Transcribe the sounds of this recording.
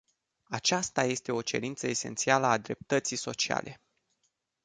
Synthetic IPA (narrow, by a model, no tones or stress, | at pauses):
at͡ʃast̪aje̞st̪e̞o̞t͡ʃe̞̰ɾint̪səese̞̰nt̪sialəad̪ɾe̞p̚t̪ət̪sijso̞t͡ʃia̰lʔe̞̰